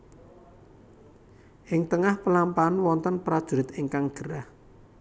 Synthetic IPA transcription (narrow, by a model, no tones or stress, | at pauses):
ʔɪŋt̪əŋahpəlampanwɔnt̪ənpɾad̥ʒ̥ṳɾɪt̪ɪŋkaŋɡ̥əɾah